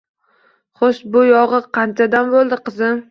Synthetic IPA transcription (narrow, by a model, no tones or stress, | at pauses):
χoʃbʊjɒʁɨqʰɑnt͡ʃʰad̪ambolˠd̪ɪqɨzɪm